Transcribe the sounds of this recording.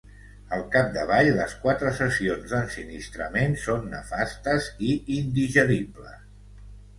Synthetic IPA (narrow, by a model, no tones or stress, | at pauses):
əlˠkap̚d̪əβaʎləskwat̪ɾəsəsionzðənsinist̪ɾəmensonːə̰fast̪əziind̪iʒəɾiblə̰s